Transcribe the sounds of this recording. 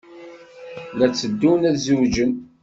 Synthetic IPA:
læt͡sːəd̪ːunæðzud͡ʒən

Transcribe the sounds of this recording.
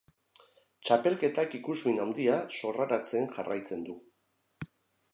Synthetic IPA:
t͡ʃape̞lke̞t̪akikuzβinawnd̪iaso̞raɾat͡se̞nʝarajt͡se̞nd̪u

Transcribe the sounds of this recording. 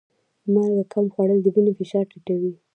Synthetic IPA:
maɾɡakʰamxwaɽəld̪əbinifɪʃɑɾʈiʈawi

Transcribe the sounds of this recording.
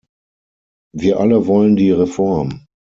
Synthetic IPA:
viːɐʔaləvɔləndiːʁefɔɐm

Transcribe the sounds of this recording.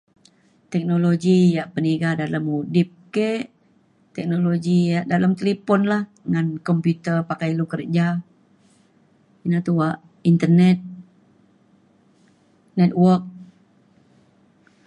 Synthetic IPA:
t̪ɛk̚noloɡijaʔpəniɡadalamudip̚keʔ | t̪ɛk̚noloɡijaʔdalamt̪əlipɔnlah | ŋankɔmpjut̪ərpakajlukərd͡ʒa | inat̪uwaʔ | int̪ərnɛt̪̚ | nɛt̪̚wərk̚

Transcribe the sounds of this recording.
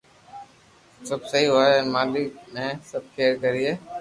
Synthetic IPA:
səbsəɦiɦoːeənmaːlɪkmẽːsəb̚kʰeːɾkəɾiɦeː

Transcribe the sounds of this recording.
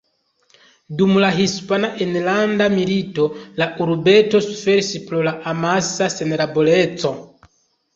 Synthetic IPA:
dumulaɦispanaʔenlandamilitolaʔuɾubɛtosu̥fɛɾisiplolaʔamasaseneɾabolet͡so

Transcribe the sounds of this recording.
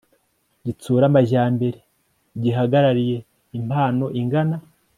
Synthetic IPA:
ɟit͡suːɾamaʒaːmbe̞ɾe | ɟiɦaɡaɾaɾije̞ | imhaːno̞ʔiŋɡana

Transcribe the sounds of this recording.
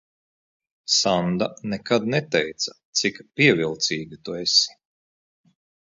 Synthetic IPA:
sand̪anekad̪nɛt̪ɛjt̪sɐ̥t̪sikpiɛvilˠt̪siːɡʲit̪uesi̥

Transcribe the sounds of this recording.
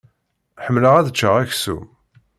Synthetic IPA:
ħəmːləʁæðət͡ʃːəʁæçsṵ

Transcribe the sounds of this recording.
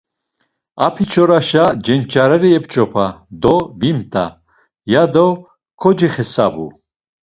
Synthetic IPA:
a̰pʰit͡ʃʰɔɾaʃad͡ʒɛnt͡ʃʰʼaɾɛɾiɛpt͡ʃʼɔpʰad̪ɔvimt̪ʼa̰ | jad̪ɔ | kʰɔd͡ʒiχɛsa̰bṵ

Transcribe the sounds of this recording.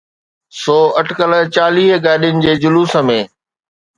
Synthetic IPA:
sɔːɐʈʰkələt͡ɕaːliːɦɡaːɗijʊnɪ̆d͡ʑeːd͡ʑʊluːsə̆mẽː

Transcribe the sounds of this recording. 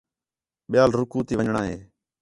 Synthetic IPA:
ɓɪjaːlɾʊkuːt̪iːʋəɲɳaːɦḛː

